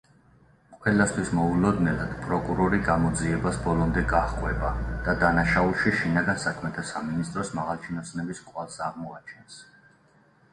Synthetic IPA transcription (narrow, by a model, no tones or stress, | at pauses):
qʼwɛlast̪ʰwismɔulɔd̪nɛlad̪̥pʼɾɔkʼuɾɔɾiɡamɔd̪ziɛbasbɔlɔmd̪ɛɡaχkʼwɛbad̪̥ad̪anaʃaulˠʃiʃinaɡansakʰmɛt̪ʰasaminist̪ʼɾɔsmaʁalˠt͡ʃʰinɔsnɛbiskʼwalˠsaʁmɔat͡ʃʰɛns